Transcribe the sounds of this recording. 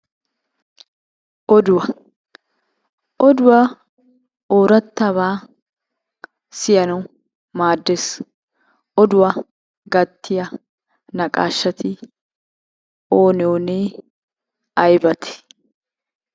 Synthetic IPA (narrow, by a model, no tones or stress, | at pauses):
ʔɔd̪ʊwɐ | ʔɔd̪ʊwa | oːɾɐt̪ːɐβaː | sɪjɐnɐw | maːd̪ːes | ʔɔd̪ʊwɐ | ɡɐt̪ʰːɪjɐ | nɐkʼa̰ːʃːɐt̪ɪ | o̞ːnɪjoːneː | ɐjbɐt̪ʰɛ̥